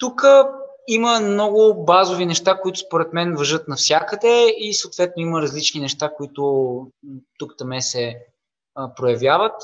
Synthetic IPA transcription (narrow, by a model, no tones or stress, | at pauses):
t̪ukə | iməmnɔɡʊbazovinɛʃt̪akoit̪ʊ̥spoɾɛt̪mɛnvɐʒɤt̪nɐfsʲjakəd̪ɛisəot̪vɛt̪nʊiməɾɐzlit͡ʃninɛʃt̪akoit̪ʊ | t̪ukt̪ɐmɛsɛ | pɾojɐvjavət̪